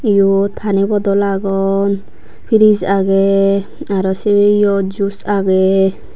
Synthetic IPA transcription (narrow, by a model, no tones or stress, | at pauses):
ijɔt̪ʰpʰanibɔd̪ɔlaɡɔn | pʰiɾizaɡɛ | aɾɔsebeijɔd͡ʒusaɡɛ